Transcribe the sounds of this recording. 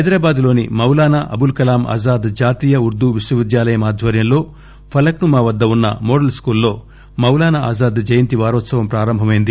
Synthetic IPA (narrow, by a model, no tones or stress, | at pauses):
ɐjd̪ɾaːbaːd̪lo̞ːnimɐwlaːnaʔɐ̰bulkɐlaːma̰ːzaːd̪d͡ʒaːt̪iːjɐuɾd̪uʋiswɐʋid̪jaːlɐjɐmaːd̪ʱʋɐɾjɐmlo̞ː | pʰɐlɐknumaːʋɐd̪ːɐunːɐ̰mɔːɽɐlskuːlːo̞ː | mɐwlaːnaa̰ːzaːd̪d͡ʒɐjɐnt̪iʋaːɾɔːt̪sɐʋɐmpɾaːɾɐmbʱɐmɐjind̪i